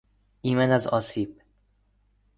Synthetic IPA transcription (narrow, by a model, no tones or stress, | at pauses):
imɛnazɒsip̚